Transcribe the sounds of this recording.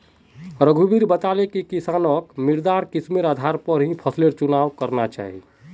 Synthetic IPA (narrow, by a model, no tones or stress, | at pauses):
ɾəɡʱubiɾbət̪alekikisaːnəkmiɾd̪aɾkismiɾad̪ʱaɾpəɾɦĩpʰəsleɾt͡ʃunaʋkəɾnat͡ʃa̰ːɦi